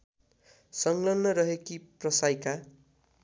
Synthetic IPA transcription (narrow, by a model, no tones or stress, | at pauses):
sʌŋlʌnːʌɾʌɦekiprʌsajka